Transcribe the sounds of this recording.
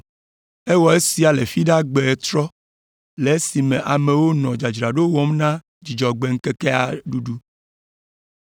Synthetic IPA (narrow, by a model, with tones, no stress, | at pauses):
ɛ˦wɔ˨e˦si˨a˨le˨fi˦ɖa˦ɡ͡be˨t̪ɾɔ˦ | le˨˦si˨mẽ˨ʔa˨mẽ˨wo˦nɔ̃˨d͡ʒa˨d͡ʒɾa˨ɖo˦wɔ̃˦mnã˦ | d͡ʒi˨d͡ʒɔ˨ɡ͡be˨ŋ̩˦ke˦ke˦a˨ɖu˦ɖu˦